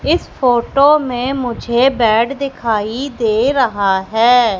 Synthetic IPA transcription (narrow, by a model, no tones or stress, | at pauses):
ɪspʰoːʈoːmẽmʊd͡ʒʱebɛːɖd̪ɪkʰaːid̪eːɾɐɦaːɦɛː